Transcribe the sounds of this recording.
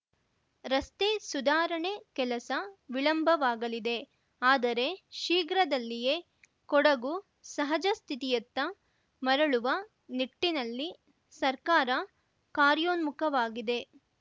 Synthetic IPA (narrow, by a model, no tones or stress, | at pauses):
ɾɐst̪esud̪aːɾɐɳekɛlɐsɐʋiɭɐmbʱɐʋaːɡɐlid̪e̞ | aːd̪ɐɾe̞ʃiːɡɾɐd̪ɐlːije̞ː | kɔɽɐɡu | sɐɦɐd͡ʒɐst̪ʰit̪ijɐt̪ːɐ | mɐɾɐɭuʋɐ | niʈːinɐlːi | sɐɾkaːɾɐ | kaːɾjoːnmukʰɐʋaːɡid̪e̞